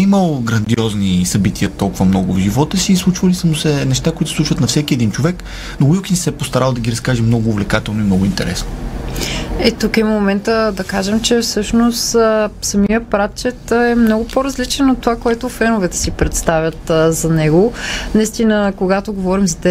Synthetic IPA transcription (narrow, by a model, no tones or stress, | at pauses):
iməlˠɡɾɐnd̪iɔznisɐbit̪ʰiət̪ɔlˠkʊvəmnɔɡʊvʒivɔt̪əsiːslˠut͡ʃvəlisəmʊsɛnɛʃt̪akoit̪ʊ̥slˠut͡ʃvət̪nɐfsɛkiɛd̪int͡ʃovɛk | noɡukinsɛpost̪ɐɾalˠd̪ɐɡʲiɾɐskaʒɛmnɔɡʊːvlɛkat̪ɛlˠnʊimnɔɡʊint̪ɛ̰ɾɛ̰sno | ɛt̪ukɛmomɛnt̪əd̪ɐkaʒɛmt͡ʃɛfsɤʃnost̪sɐmijəpɾat̪̚t͡ʃɛt̪ɛmnɔɡʊpoɾɐzlit͡ʃɛnot̪ːovakoɛt̪ʊfɛnovɛt̪ɛ̥sipɾɛt̪st̪avʲjɐt̪zɐnɛɡonɐist̪inəkoɡat̪oɡovɔɾimzɐt̪ɛ